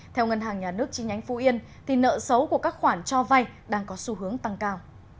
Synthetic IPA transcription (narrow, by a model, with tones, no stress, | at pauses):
t̪ʰɛ˧wŋə˧nɦaː˨˩ŋɲaː˨˩nɨ˦˥ək̚t͡ɕi˧˦ŋɲa˨˦jŋ̟fṵ˧˥ʔi˧ən | t̪ʰi˨˩nə̰ː˧˨sə˨˦wku˧˩əkaː˦˥k̚xwaː˧˩nt͡ɕɔ˧va˧jɗaː˧ŋkɔ˨˦su˧ɦɨ˨˦əŋt̪a˧ŋkaː˧w